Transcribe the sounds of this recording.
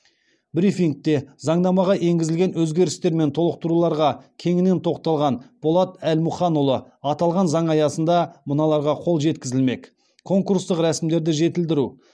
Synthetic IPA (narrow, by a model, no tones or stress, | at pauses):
bɾifiŋk̚t̪e̞zɑɴd̪ɑmɑʁɑʔe̞ŋɡʲɪzɪlʲɡʲe̞nwɵzɡʲe̞ɾɪst̪e̞ɾme̞nt̪ʰo̞lˠəq̚t̪əɾulˠɑɾʁɑkʲʰe̞ŋɪne̞nt̪ʰo̞q̚t̪ɑlˠʁɑnb̥olˠɑt̪ælmʊχɑnulˠə | ɑt̪ɑlˠʁɑnzɑɴɑjɑsənd̪ɑmənɑlˠɑɾʁɑqʰo̞lˠʒe̞t̪kʲɪzɪlme̞k | kʰo̞ŋkuɾst̪əqɾæsɪmd̪e̞ɾd̪ɪʒe̞t̪ɪld̪ɪɾu